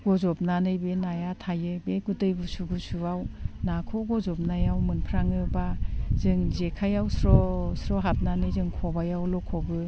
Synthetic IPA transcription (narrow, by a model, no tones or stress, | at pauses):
ɡɔzɔp̚nanɯjbenajatʰajɯbeɡutɯjbusuɡusuawnakʰɔɡɔzɔp̚najawmɯnpʰɾaŋɯbazɯŋzekʰajawsɾɔsɾɔɦap̚nanɯjzɯŋkʰɔbajawlɔkʰɔbɯ